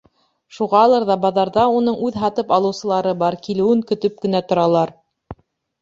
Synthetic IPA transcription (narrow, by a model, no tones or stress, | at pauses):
ʃuʁɑːlˠɤɾðɑbɑðɑɾðɑunɤɴʔʉðɦɑt̪ɤpɑlˠɤ̆wsɤ̆lˠɑɾɤbɑɾkilɘ̆wɘŋkɵ̆t̪ɵp̚kɘ̆næt̪ŏɾɑlˠɑɾ